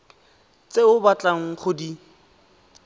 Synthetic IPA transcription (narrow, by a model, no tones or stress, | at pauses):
t͡seʊbat͡ɬʼaŋ̩χʊdi